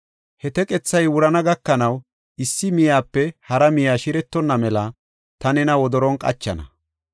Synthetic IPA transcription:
hɛt̪ɛkʼɛt͡sːɐjwʊɾɐnɐɡɐkːɐnɐw | ɪsːɪmɪjaːpːɛhɐɾɐmɪjaːʃɪɾɛt̪ːɔnːɐmɛlɐ | t̪ɐnɛnɐwɔd̪ɔɾɔnkʼɐ̰t͡ʃːɐ̰nɐ̰

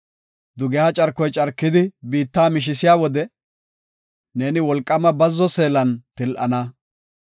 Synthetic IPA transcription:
d̪ʊɡɛat͡ʃʼɐɾkːɔjt͡ʃʼɐɾkːɪd̪ɪbiːt̪ːaːmɪʃ̬ɪsɪjaːwɔd̪ɛ | ne̞ːnɪwɔlkʼːɐmɐbɐzːɔse̞ːlɐnt̪ɪlʔɐ̰nɐ

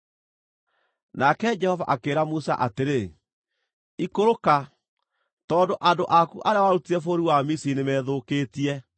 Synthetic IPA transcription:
nakɛd͡ʒɛhɔva̰ʔakeːɾamusa̰ʔateɾe | ikoɾoka | tɔːndoʔadoʔakuʔaɾeawaɾutiɛfoɾiwamisinemɛːðokeːtiɛ

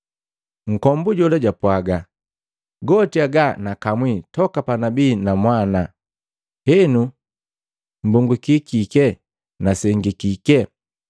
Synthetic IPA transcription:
ŋ̩kɔmbuɟɔlaɟapwaɡa | ɡɔtiaɡanakamwitɔkapanabiːnamwana | hɛnu | m̩buŋɡukikikɛ | nasɛŋɡikikɛ

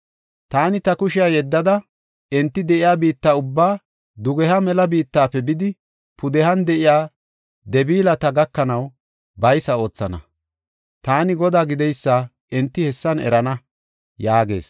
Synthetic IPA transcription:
t̪aːnɪt̪ɐkʊʃɪjaːjɛd̪ːɐd̪ɐ | ɛnt̪ːɪd̪ɛʔɪjaːbiːt̪ːaːʊbːaː | d̪ʊɡɛhɐmɛlɐbiːt̪ːaːpːɛbɪd̪ɪ | pʊd̪ɛhɐnd̪ɛʔɪjaː | d̪ɛbiːlɐt̪ɐɡɐkːɐnɐw | bɐjsɐo̞ːt͡sːɐnɐ̰ | t̪aːnɪɡɔd̪aːɡɪd̪ɛjsːa | ɛnt̪ːɪhɛsːɐnɛ̰ɾɐnɐ | jaːɡe̞̰ːs

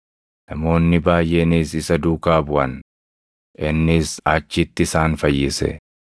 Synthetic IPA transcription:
nɐmo̞ːnːɪbaːjʔe̞ːniːsɪsɐd̪uːkaːbʊʔɐn | ʔɪnːɪsaːt͡ʃːɪt̪ːɪɪsaːnfɐjːɪsɛ̰

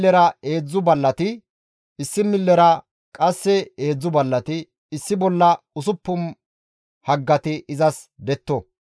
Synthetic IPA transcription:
ɛɾɐeːd͡zːʊbɐlːɐt̪ɪ | ɪsːɪmɪlːɛɾɐ | kʼɐsːɛeːd͡zːʊbɐlːɐt̪ɪː | sːɪbɔlːɐ | ʊsʊpːʊm | hɐɡːɐt̪ɪɪzɐsd̪ɛt̪ːɔ

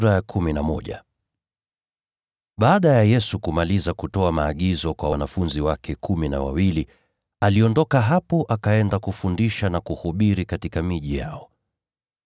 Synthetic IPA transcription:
ɾajakʰuminamɔʄa̰ | ɓaːɗajajɛsukumalizakutɔamaːɠizɔkwawanafunziwakɛkʰumina̰wa̰wili | aliɔndɔkaɦapɔʔakaɛndakufundiʃanakuhuɓiɾikatikamiʄija̰ɔ

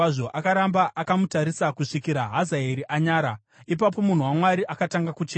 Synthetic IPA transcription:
aʐo̞ʔakaɾambaʔakamutaɾisakuʂikiɾaɦazaeɾiʔaɲaːɾa | ip̬ap̬o̞mun̤uwamwaɾiakataŋɡakut͡ʃeː

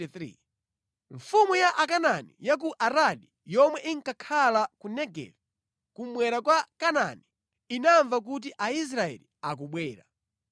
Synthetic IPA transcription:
θɾḭ | ɱfumujaʔakananḭjak̬uʔaɾaɗi | jɔmwɛʔiŋ̩kakʰalakunɛɡɛ̰vi | kumwɛɾakwakana̰ni | inaɱvak̬ut̬iʔais̬ɾaɛ̰liak̬uɓwɛːɾa̰

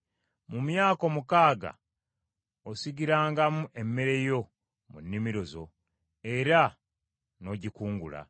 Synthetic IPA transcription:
mumjaːko̞mukaːɡa̰ | osiɡiɾaːŋɡamuʔe̞mːe̞ɾe̞jo̞ | munːimiɾo̞zo̞̰ | e̞ɾa | no̞ɟikuːŋɡṵla̰

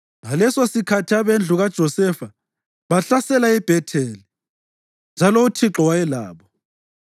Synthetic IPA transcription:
ŋalɛsosikʰatʰiaβend͡ɮʱuɣad̥ʒ̥ʱɔsɛfa | βaɬasɛlaib̥ʱɛtʰɛːli | nd͡ʒʱaloutʰiǁɔwajɛla̰ːβɔ

